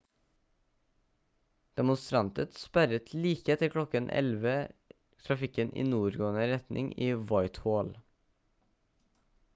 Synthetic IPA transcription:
d̪̥ɛmʊnst̪ɾɑnt̪ət̪spæɾət̪ʰliːkəɛt̪əkʰɽɔkənʔɛ̰lʋə | t̪ʰɾɑfɪkənʔḭːnuːɾɡoːnəɾɛt̪nʔɪ̰ŋiːʋɑɪt̪hoːl

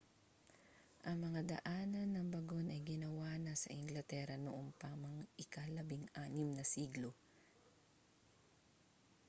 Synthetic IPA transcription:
ʔɐŋmɐŋad̪ɐ̰ʔaːnɐnːɐŋbɐɡo̞nʔɐjɡɪnɐwaːnɐsɐ̰ʔɪŋɡlɐt̪ɛɾɐnʊʔoŋpɐmɐŋɪkalɐbɪŋaːnɪmnɐsiːɡlo̞

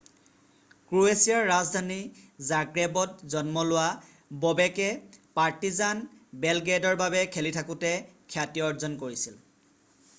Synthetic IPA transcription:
kɹuesijaɹːazdʱanizaɡɹebɔtzɔnmɔlʊwa | bɔbɛkɛpaɹtizanbɛlɡedɔɹbabɛkʰelitʰakʊtɛkʰjatiɔɹzɔnkoɹisil

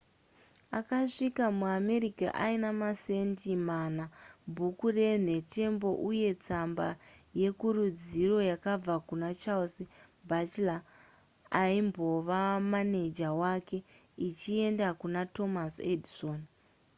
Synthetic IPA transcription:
akaʂikamuame̞ɾika̰ʔainamase̞ntimanabʱukure̞ne̞te̞mbo̞ʔuje̞t͡sambaje̞kuɾud͡ziro̞jakab͡vakunat͡ʃalsi | bʱat͡ʃlaː | aimbo̞ʋamane̞d͡ʒawake̞ | it͡ʃie̞ndakunato̞masedson

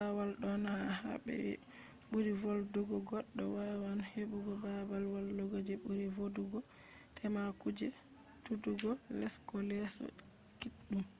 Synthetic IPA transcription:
awalɗɔnaha̰bɛ̰ɛ̰ | ɓuɾivolduɡɔɡɔɗːɔwaɾwanheɓuɡɔbawalwalduɡod͡ʒɛbuɾivoduɡɔkʰɛnakud͡ʒɛ | tuduɡɔlɛskɔlɛsɛ̰ | tu | u

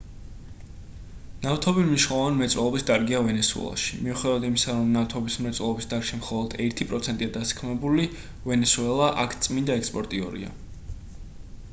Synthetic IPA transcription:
naft̪ʰɔbiniʃnɛlˠɔvanmɛt̪sʼwɛlˠɔbisd̪aɾɡiavɛnɛsuɛ̰lˠa̰ʃi̥miuχɛd̪avad̪imisaɾɔmnaft̪ʰɔbismɛt̪sʼwɛlˠɔbisd̪aɾʃimχɔlˠɔd̪ɛɾt̪ʰipʼɾɔt̪sʰɛnt̪ʼiad̪asi̥kʰmɛbuli | vɛnɛsuɛlˠaʔakʰt̪sʼmind̪aɛkspʼɔɾt̪ʼiɔ̰ɾḭa̰

